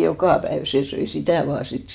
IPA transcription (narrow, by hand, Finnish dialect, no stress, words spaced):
jokɑˑ pæeʋ seˑ søi sitæˑ ʋɑː sit